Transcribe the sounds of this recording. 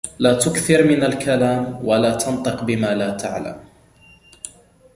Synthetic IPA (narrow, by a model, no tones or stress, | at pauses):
laːt̪ʊkθɪɾmɪnalkalaːmwalaːt̪ʰɑnt̪ˤɨqbɪmaːlaːt̪ʰa̰ʕla̰m